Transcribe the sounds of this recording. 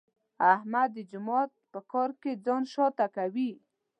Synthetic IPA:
ahmad̪ːəd͡ʒʊmɔt̪̚pəkɔɾked͡zɑnʃɔt̪akawi

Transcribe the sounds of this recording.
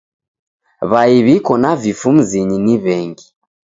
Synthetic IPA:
βaiβikɔnavifum̩ziɲiniβɛŋɡi

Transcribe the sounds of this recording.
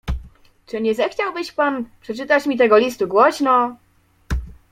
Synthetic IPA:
t͡ʂɘɲɛzɛxt͡ɕawbɘɕpanpʂɛt͡ʂɘt̪at͡ɕmʲit̪̬ɛɡɔlʲist̪uɡwɔɕnɔ

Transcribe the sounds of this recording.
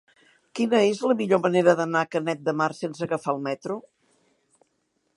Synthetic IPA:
kinəezləmiʎoməneɾəðənakənɛt̪̚d̪əmaɾsensəɣəfalˠmɛt̪ɾu

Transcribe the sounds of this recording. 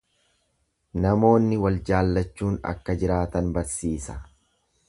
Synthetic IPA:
nɐmo̞ːnːɪwɐld͡ʒaːlːɐt͡ʃːuːnɐ̰kːɐd͡ʒɪɾaːt̪ɐnbɐɾsiːsɐ̥

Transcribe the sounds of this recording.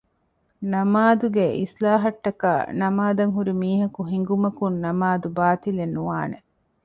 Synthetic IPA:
nɐmaːd̪uɡeʔḭslaːɦɐʈːɐka̰ːnɐmaːd̪ɐŋɦuɾimiːɦɐkuɦiŋɡumɐkunːɐmaːd̪ubaːt̪ilenːuʋaːne

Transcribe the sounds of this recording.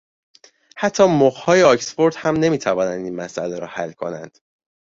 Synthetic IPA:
hæt̪ʰːɒːmoɣhɒːjeɒcsfo̞ɾd̪̥hæmne̞miːt̪ʰævɒːnænd̪inmæsʔæleɾɒ̰ːhælːkʰo̞̰næ̰nd̪̥

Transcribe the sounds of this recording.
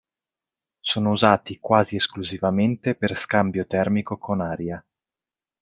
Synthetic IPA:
soːnouzaːt̪ikwaːzieskluzivament̪eperskambjot̪ɛrmikokʰonaːɾja

